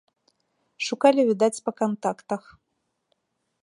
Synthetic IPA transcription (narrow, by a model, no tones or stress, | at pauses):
ʂukalʲivʲid̪at͡sʲpɐkant̪akt̪ɐx